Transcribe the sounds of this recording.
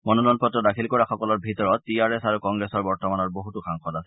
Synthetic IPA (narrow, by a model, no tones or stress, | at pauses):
mɔnɔlɔnpɔtɹɔdakʰilkɔɹaxɔkɔlɔɹbʱitɔɹɔt̚piaɹɛsaɹukɔŋɡɹesɔɹbɔɹtɔmanɔɹboɦutuxaŋxɔtasɛ̥